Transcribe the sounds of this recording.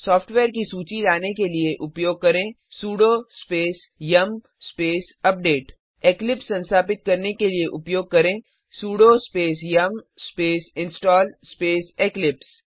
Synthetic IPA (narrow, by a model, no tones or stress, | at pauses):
sɔːfʰʈʋeːɾkisuːt͡ʃilaːnekelieʔʊpjoːɡ̚kɐɾẽː | suːɽoːspeːs | jɐm | speːs | ɐp̚ɖeːʈ | eːklɪpsːɐ̃nst̪ʰaːpɪt̪̚kɐɾnekelieʔʊpjoːɡ̚kɐɾẽː | suːɽoːspeːsjɐmspeːsɪ̃nsʈɔːlspeːseːklɪps